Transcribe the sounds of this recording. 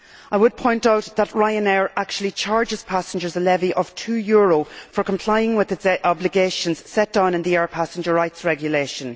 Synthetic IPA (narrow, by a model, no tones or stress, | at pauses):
aɪwəd̚pʰɔ̃ɪ̃ntaʊt̪ðət̚ɹaɪə̃nɛːɹak̚t͡ʃuəl̩ˠit͡ʃʰaɹd͡ʒɪz̥pʰasə̃n̩d͡ʒə˞zəlɛviʔəv̥tʰʉːjʊːɹofə˞kʰə̃mpʰl̥aɪɪ̃ŋwɪðɪtsʔɑblɪɡeːʃə̃nz̥sɛt̚d̥ãʊ̃nɪ̃nðiɛːɹpʰasɪ̃nd͡ʒə˞ɹaɪtsɹɛɡjəleːʃə̃n